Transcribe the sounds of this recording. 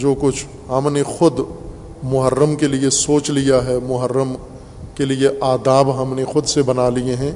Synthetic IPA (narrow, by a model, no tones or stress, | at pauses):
d͡ʒoːkʊt͡ʃʰ | ɦɐmnexʊd̪ | mʊɦəɾːəmkeliesoːt͡ʃlijaɦɛmʊɦəɾːəm | kelieʔaːd̪aːbɦɐmnexʊd̪sebɐnaːlieɦɛ̃ː